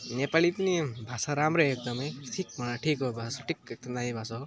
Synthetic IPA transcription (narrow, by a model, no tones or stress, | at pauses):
nepalipənibʱasaɾamɾeek̚d̪ʌmʌjʈʰik̚mʌɽaʈʰikobʱasoʈʰikek̚d̪ʌmd̪aɦibʱaso